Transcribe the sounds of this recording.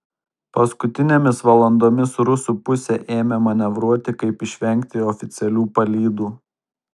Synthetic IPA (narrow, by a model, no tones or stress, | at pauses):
pɐskʊt̪ʲɪnʲemʲɪsʋɐlˠɐnd̪oːmʲɪsɾʊsuːpʊsʲɛʔeːmʲɛmɐnʲɛʋɾuɔt̪ʲɪkɐɪpɪʃʲʋʲɛŋʲˑkt̪ʲɪɔfʲɪt̪sʲɛlʲuːpɐlʲiːd̪uː